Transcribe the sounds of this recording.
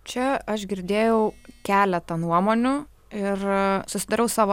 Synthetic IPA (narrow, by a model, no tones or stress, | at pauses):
t͡ʃʲɛɐʃɡʲɪɾʲd̪ʲeːjɛʊkʲæːlʲɛt̪ɐnuɔmoːnʲʊ | ɪrsʊsʲɪd̪ɐɾʲɛʊsɑːʋo